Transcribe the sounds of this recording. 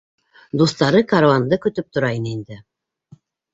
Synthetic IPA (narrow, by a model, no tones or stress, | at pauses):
d̪ust̪ɑɾɤkaɾavand̪ɤkɵ̆t̪ɵp̚t̪ŏɾɑjɤnind̪ɘ